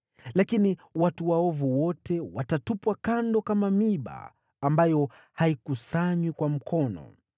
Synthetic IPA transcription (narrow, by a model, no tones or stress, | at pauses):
lakiniwatuwaɔvuwɔtʰɛwatatupwakandɔkamamiɓa̰ː | mbajɔ | haikusaɲwikwam̩kʰɔnɔ̰